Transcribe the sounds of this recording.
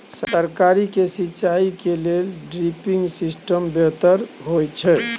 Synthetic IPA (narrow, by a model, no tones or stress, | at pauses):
səɾkaɾikesit͡ʃaikelelɖɾipiŋɡsisʈəmbet̪əɾɦojt͡ʃʰɛ